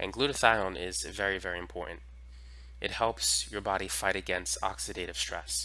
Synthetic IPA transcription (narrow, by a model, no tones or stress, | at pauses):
ʔɨ̰̃nɡlʉɾɨθaɪlənɪzvɛɹivɛɹiɨ̃mpʰɔɹʔn̩t | ʔɨt̚hɛlˠpsjə˞bɑɾifaɪɾɨɡɛ̃nstɑ̰ksɨɾeɪɾɨv̥stɹ̥ɛ̰s